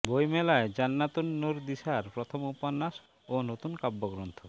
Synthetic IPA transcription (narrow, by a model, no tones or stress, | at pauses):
bojmelaed͡ʑanːat̪unːuɾd̪iʃaɾpɾɔt̪ʰomupanːaʃ | onot̪unkabːoɡɾont̪ʰo